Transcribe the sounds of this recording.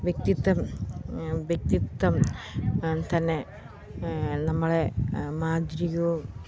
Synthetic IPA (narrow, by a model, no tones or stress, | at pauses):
ʋjek̚t̪it̪ːɐm | ʋjek̚t̪it̪ːɐm | t̪ɐnːe | nɐmːɐɭemaːd̪ɾijo